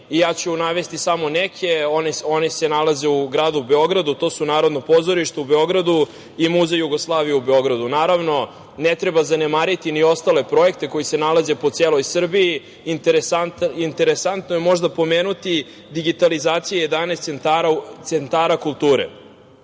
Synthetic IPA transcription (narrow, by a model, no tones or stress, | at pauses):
ijaːt͡ɕuunaʋe̞st̪isamo̞nekʰeonio̞nise̞nalazeuɡɾaːd̪ube̞o̞ɡɾad̪ut̪o̞ːsunaːɾo̞d̪no̞po̞zo̞ɾiʃt̪oube̞o̞ɡɾad̪u | imuzejuɡoslˠaːʋijubeo̞ɡɾad̪unaːɾaʋno̞ | net̪ɾe̞bazanemaːɾit̪inio̞st̪ale̞pɾo̞je̞kt̪e̞ko̞jise̞nalaze̞po̞t̪seːlo̞jsr̩biiː | nt̪eɾesaint̪e̞ɾesant̪nojemo̞ʒd̪apo̞meːnut̪i | d̪iɡit̪alizaːt̪sijeje̞d̪anest̪sent̪aɾat̪sent̪aːɾakulˠt̪uːɾḛ